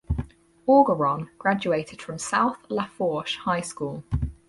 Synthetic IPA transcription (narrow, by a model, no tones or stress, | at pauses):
ɔːɡəɹɒ̃nɡ̥ɹad͡ʒueɪtʰɪd̥fɹə̃msaʊθlafɔˑʃhaɪskuːlˠ